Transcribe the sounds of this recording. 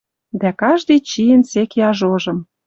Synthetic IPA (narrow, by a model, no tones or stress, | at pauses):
d̪ækɑʒd̪ɤjt͡ɕijənsekjɑʒoʒɤ̆m